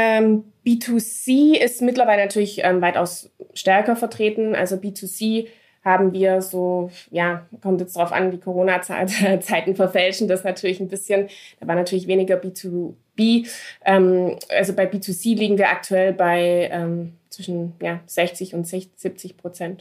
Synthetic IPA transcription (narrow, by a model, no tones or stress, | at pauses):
ʔɛːm | b̥iːtʰusiːɪstmɪtlɐvaɪlənatʰyːɐlɪçʔɛ̰ːmvaɪta̰ʊs | ʃtɛɐkɐfɛɐtʁ̥eːtn̩ʔa̰lzobiːtʰusiː | haːbm̩viːɐzoːjaːkʰɔmtjɛt͡sd̥ʁaʊfʔa̰ndiːkʰoʁ̞oːnat͡sa̰ːlt͡saɪtn̩fɛɐfɛlʃn̩dasnatʰyːɐlɪçn̩bɪsçənd̥aːvaːɐnatʰyːɐlɪçv̥eːnɪɡɐbiːtʰu | b̥iːʔɛːmʔa̰lzobaɪbiːtʰusiːliːɡŋ̩viːɐʔa̰k̚tʰuɛlbaɪʔɛːmt͡sv̥ɪʃn̩jaːz̥ɛçt͡sɪçʊntz̥ɛz̥ɪp̚t͡sɪçpʁ̥ot͡sɛnt